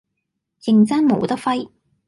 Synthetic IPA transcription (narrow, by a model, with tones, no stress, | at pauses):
jɪ˨˩ŋt͡sɐ˥nmo̰˨˥wt̪ɐ˥fɐ˥j